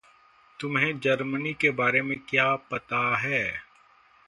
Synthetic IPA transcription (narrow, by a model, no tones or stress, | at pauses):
t̪ʊmɦẽd͡ʒɐɾmənikebaːɾemẽkjaːpɐt̪aɦɛː